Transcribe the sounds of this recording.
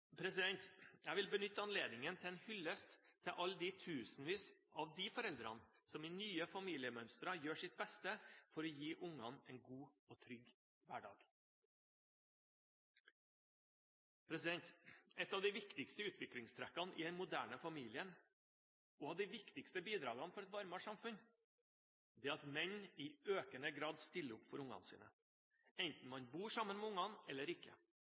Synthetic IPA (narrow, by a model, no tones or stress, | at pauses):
pʰɾɛsɪd̪ɛnt̪jæɪʋɪlbənʏt̪ːəɑnleːd̪nɪŋənt̪ʰɪɛnhʏlːəst̪ʰːɪʔɑld̪it̪ʰʉːsn̩ʋiːsʔɑʋd̪ifɔɾɛld̪ɾɑ̰nsɔmɪnyːəfɑmiːlɪəmœnst̪ɾɑjøːʂɪt̪̚bɛst̪əfɔɾɔjiːʔʊŋɑnɛnɡuːoːt̪ʰɾʏɡ | ʋæːɖɑ̰ːɡ̥ | pʰɾɛsɪd̪ɛnt̪ɛt̪ːɑːʋd̪æɪʋɪkt̪ɪkst̪əʉːt̪ʋɪklɪŋst̪ʰɾækːɑnʔɪ̰d̪ɛnmʊd̪æːɳəfɑmiːlɪən | oːɑʋd̪æɪʋɪkt̪ɪkst̪əbiːd̪ɾɑːɡɑnfɔɾɛt̪ʋɑɾmɑʂɑmfʉn | d̪ɛːɑt̪mɛɲɪøːkənəɡɾɑːd̪st̪ɪlːəʊpːfɔɾʊŋɑ̰nsḭːnə̰ | ɛnt̪n̩mɑɲbuːʂɑmənmɛʊŋɑnɛlːəɾɪkːə̰